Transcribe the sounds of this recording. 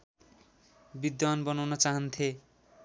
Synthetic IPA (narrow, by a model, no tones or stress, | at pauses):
bid̪anbʌnawnʌt͡saɦʌnt̪ʰe